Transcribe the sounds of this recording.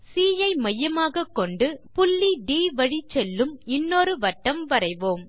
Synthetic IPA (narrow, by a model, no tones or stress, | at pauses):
siːjɐɪmɐjːɐmaːɣɐkːɔɳɖɯpʊlːiɖiːʋɐɻit͡ʃːɛlːɯmɪnːoːɾɯʋɐʈːɐmʋɐɾɐɪʋoːm